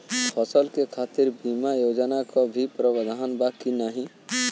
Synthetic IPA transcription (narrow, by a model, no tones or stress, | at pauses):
pʰɔsəlkekʰat̪iɾbimajod͡ʒənakɔbʱipɾəbəd̪ʱanbakinaɦĩ